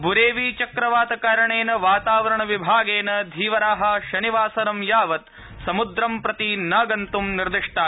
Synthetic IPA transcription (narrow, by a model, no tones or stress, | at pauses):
bʱuɾeːʋit͡ʃɐkɾɐʋaːt̪ɐkaːɾɐɳeːnɐʋaːt̪aːʋɐɾɐɳɐʋibʱaːɡeːnɐd̪ʱiːʋɐɾaːɦɐʃɐniʋaːsɐɾɐmjaːʋɐt̪ | sɐmud̪ɾɐmpɾɐt̪inɐːɡɐnt̪umniɾd̪iʂʈaː